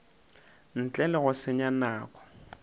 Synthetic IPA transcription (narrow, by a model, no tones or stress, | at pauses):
n̩t͡ɬʼɛlɛɣʊsɪɲanaːkʼɔ̥